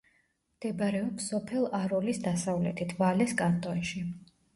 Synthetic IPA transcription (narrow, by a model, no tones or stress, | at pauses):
md̪̥ɛbaɾɛɔpsɔpʰɛlˠaɾɔlisd̪asavlɛ̰t̪ʰit̪ʰvalɛskʼant̪ʼɔnʃi